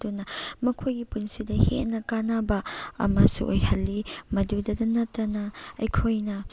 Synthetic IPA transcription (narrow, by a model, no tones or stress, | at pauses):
dunɐmɐkʰojɡipunsidɐhḛʔnɐkanabɐɐ̰masṵʔo̰jhɐlːimɐdudɐdɐnɐtːɐnɐɐjkʰojnɐ